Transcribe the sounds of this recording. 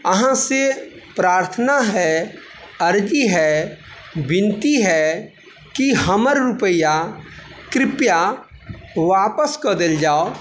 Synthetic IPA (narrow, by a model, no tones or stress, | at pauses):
əɦãse | pɾaːɾt̪ʰənaɦɛ | əɾd͡ʒiɦɛ | bɪ̃nt̪iɦɛ | kiɦəməɾːʊpəja | kɾɪpja | ʋaːpəskəd̪ɪld͡ʒaːo